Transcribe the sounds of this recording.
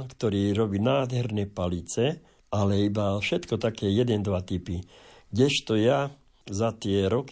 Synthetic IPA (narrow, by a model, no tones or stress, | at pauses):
kt̪ɔɾiːɾɔbiːnaːd̪ɦɛɾnɛːpalit͡sɛ | alɛibafʃɛt̪kɔt̪akɛːjɛd̪ɛnd̪ʋat̪ipiɡɟɛʃt̪ɔja | zat̪ɪɛɾɔk